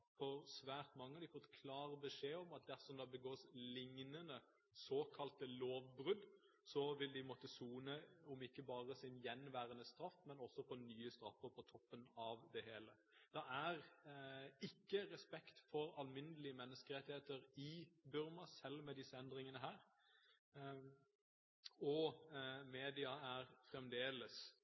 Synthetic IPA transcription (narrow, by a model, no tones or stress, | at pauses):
fɔɾsʋæːɾt̪mɑŋːəd̪ɪfɔt̪ːkʰlɑːɾəbəʂeːɔmɑt̪̚d̪æɾsɔmd̪ɑbəɡoːslɪŋnənə | soːkʰɑlt̪əloːʋbɾʉd̪ | sɔʋɪld̪ɪmɔt̪ːəsuːnəɔmɪkːəbɑːʁəsɪnjɛnʋæːɾənəst̪ɾɑfmɛnɔsːɔfɔnyːəst̪ɾɑfːəɾpʰɔt̪ʰɔpːənɑʋd̪ɛheːlə | d̪̥ɑæɾ | ɪkːəɾɛspɛkt̪fɔɾɑlmɪnəlɪəmɛnːəskəɾɛt̪ɪheːt̪əɾɪbʉɾmɑsɛlːmɛd̪ɪsːəɛnd̪ɾɪŋənəɦæːɾ | ɔ | meːd̪ɪɑæɾfɾɛmd̪eːləs